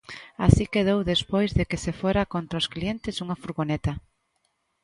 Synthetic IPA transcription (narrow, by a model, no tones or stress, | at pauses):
asikeðowðespojzðekesefoɾakont̪ɾaosklient̪ɪsuŋɐfuɾɣonet̪ɐ